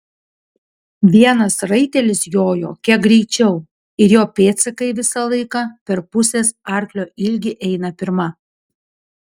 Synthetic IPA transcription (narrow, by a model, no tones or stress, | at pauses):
ʋʲiɛnɐsɾɐɪt̪ʲɛlʲɪsjoːjo̰ːkʲiɛk̚ɡɾʲɛɪt͡ʃʲɛʊ | ɪɾjoːpʲeːt̪sʲɪkɐɪʋʲɪsɐlˠɐɪkɑːpʲɛɾpʊsʲeːsɑˑɾʲklʲoːʔɪlʲɡʲɪʔɛɪnɐpʲɪɾmɐ